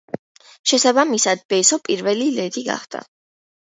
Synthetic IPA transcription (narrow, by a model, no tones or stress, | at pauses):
ʃɛsabamisad̪̚bɛsɔpʼiɾvɛlilɛd̪iɡa̰χd̪̥a̰